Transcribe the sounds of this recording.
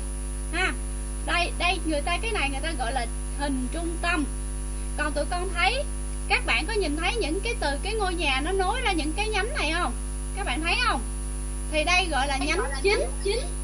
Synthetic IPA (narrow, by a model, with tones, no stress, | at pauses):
ʔaː˨˩ | ɗə˧jɗə˧jŋɨ˨˩əjt̪aː˧kaː˨˦jna˨˩jŋɨ˨˩əjt̪aː˧ɣɔ̰˧˨jlaː˨˩ | hï˨˩ŋ̟t͡ɕʊ˧ŋ͡mt̪ə˧m | kɔ˨˩nt̪ṵ˧˩jkɔ˧nt̪ʰə˨˦j | kaː˦˥k̚ɓa̰ː˧˨nkɔ˨˦ɲi˨˩nt̪ʰə˨˦jɲɨ̰˧˥ŋkaː˨˦jt̪ɨ˨˩kaː˨˦jŋo˧jɲaː˨˩nɔ˨˦no˨˦jzaː˧ɲɨ̰˧˥ŋkaː˨˦jɲa˨˦mna˨˩jxə˧wŋ͡m | kaː˦˥k̚ɓa̰˧˨nt̪ʰə˨˦jhə˧wŋ͡m | t̪ʰi˨˩ɗə˧jɣɔ̰˧˨jlaː˨˩ɲa˨˦mt͡ɕi˨˦ŋt͡ɕi˨˦ŋ